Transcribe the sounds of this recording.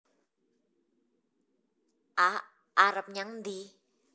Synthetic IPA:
ʔa | ʔaɾəp̚ɲaŋnd̪i

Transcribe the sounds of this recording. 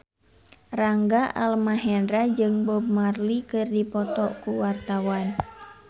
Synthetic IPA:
raŋɡaʔa̰lmaɦɛndɾad͡ʒɨŋbɔbmarlikɨrdipɔt̪ɔkuwart̪awan

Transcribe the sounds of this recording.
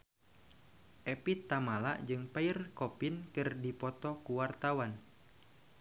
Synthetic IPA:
ʔɛpit̪ːamala̰ʔd͡ʒɨŋpairkɔpinkɨrdipɔt̪ɔkuwart̪awan

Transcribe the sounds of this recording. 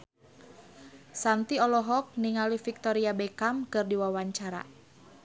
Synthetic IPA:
sant̪iɔlɔɦɔk̚niŋalifik̚t̪ɔɾiabɛkamkɨrdiwawaɲt͡ʃaɾa̰

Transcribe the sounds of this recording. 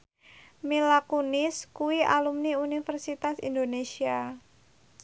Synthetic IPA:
milakunɪskuwiʔa̰lumniunifərsit̪asḭnd̪onesia

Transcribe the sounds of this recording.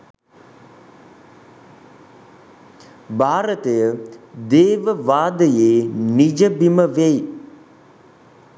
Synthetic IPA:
baːɾət̪əjəd̪eːʋəʋaːd̪əjeːnid͡ʒəbiməʋej

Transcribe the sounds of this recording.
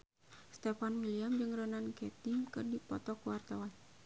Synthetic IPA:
st̪ɛfanwiliamd͡ʒɨŋrɔnankɛt̪imkɨrdipɔt̪ɔkwart̪awan

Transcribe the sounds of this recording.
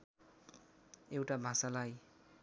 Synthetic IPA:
ewʈabʱãsalaj

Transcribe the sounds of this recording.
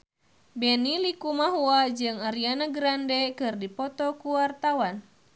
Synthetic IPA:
bɛnilikumaɦuad͡ʒɨŋaɾianaɡɾandɛkɨrdipɔt̪ɔkuwart̪awan

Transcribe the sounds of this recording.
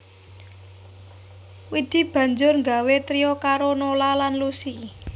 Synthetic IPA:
wid̪̥i̤b̥ä̤ɲd͡ʒʊrŋɡawet̪ɾiokaɾonolalanlusi

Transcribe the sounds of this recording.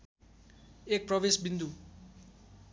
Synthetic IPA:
ek̚prɔʋĩsbind̪u

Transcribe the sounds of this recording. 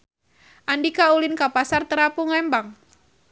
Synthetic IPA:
ʔandikaulɪnkapasart̪əɾapuŋlɛmbaŋ

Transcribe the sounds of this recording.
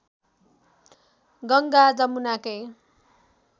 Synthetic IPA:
ɡʌŋɡad͡zʌmunakʌj

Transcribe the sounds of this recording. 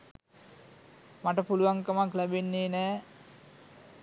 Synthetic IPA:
maʈəpuluʋaŋkəmaklæbenːeːnæː

